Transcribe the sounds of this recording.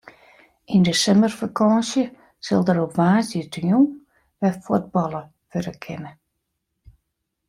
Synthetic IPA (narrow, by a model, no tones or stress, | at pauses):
indəsɛmərfakʰɔsjə | səlˠdəɾopʋaːsətəju | ʋɛfod̚bɔlˠə | føɾəkʰɪnə